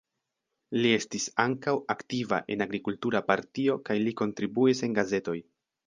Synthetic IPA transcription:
lie̞stisaŋkawaktiva̰ʔe̞̰naɡɾikultuɾapaɾtio̞kajliko̞ntɾibuise̞nɡaze̞to̞j

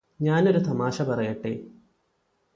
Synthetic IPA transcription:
ɲaːno̞ɾut̪ɐmaːɕɐpɐrɐjɐʈːḛː

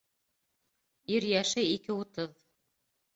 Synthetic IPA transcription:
iɾjæʃɘikɘŭt̪ɤð

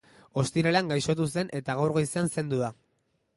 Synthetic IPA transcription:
o̞st̪iɾaleaŋɡajʃo̞t̪̬use̞nʔe̞t̪aɣawɾɣojseanse̞nd̪uða

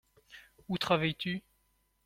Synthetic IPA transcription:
ut̪χavajt̪y

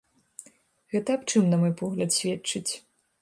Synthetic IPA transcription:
ɣɛt̪ɐap̚t͡ʂɨmnɐmɔjpɔɣlʲɐt̪sʲvʲɛtt͡ʂɨt͡sʲ

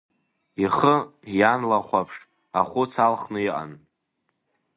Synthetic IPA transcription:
iχəjanlaχʷapʰʂ | a̰χʷʊt͡sʰalχnɨiʔa̰n

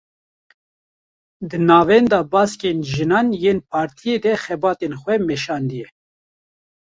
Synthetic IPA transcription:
d̪ɨnɑːvɛnd̪ɑːbɑːskeːnʒɨnɑːnjeːnpʰɑːɾt̪ʰijeːd̪ɛxɛbɑːt̪enxʷɛmɛʃɑːnd̪ɨjɛ

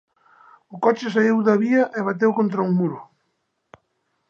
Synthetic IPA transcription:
ʊkɔt͡ʃɪs̬aiwðɐβiɐʔeβat̪̬ewkont̪ɾauŋmuɾʊ

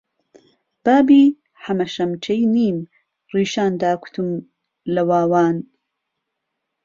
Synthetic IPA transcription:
b̥aːbiː | ħɐmɐʃɐmt͡ʃɐjniːm | riːʃaːnd̪aːkʰu̥t̪ʰum | lɐwaːwaːn

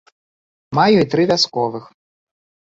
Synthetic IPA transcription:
majuit̪ɾɨvʲaskɔvɨx

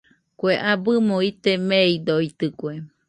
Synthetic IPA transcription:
kweʔabɨmõit̪emeid̪oit̪ɨkʷe

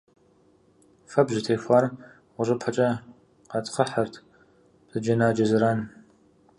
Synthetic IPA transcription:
fɐbʒɪtʰeːfʷaːr | wʷʊʑʷɨpʰɐt͡ʃʼɐ | qɑtχəħɐrtʰ | z̥ɨd͡ʒɐnaːd͡ʒɐzɨɾaːn

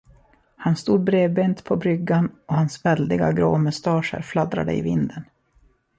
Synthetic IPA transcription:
hanst̪uːd̪̚bɾeːbeːnt̪pʰɔbɾʏɡːanɔhansvɛld̪ɪɡa̰ɡɾo̰ːmʊst̪ɑːʂə̰ɾflad̪ɾa̰d̪ə̰ɪ̰vɪnd̪ən

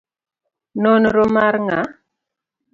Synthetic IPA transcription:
nɔnɾɔmaɾŋa

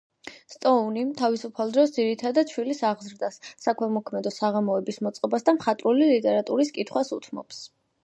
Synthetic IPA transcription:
st̪ʼɔunit̪ʰavisupʰalˠd̪ɾɔsd̪ziɾit̪ʰad̪ad̪̥̚t͡ʃʰwilisaʁzɾd̪asːakʰmɛmɔkʰmɛd̪ɔsaʁamɔɛbismɔt̪sʼqʼɔbasd̪amχat̪ʼɾulilit̪ʼɛɾat̪ʼuɾiskʼit̪ʰχwasut̪ʰmɔ̰ps

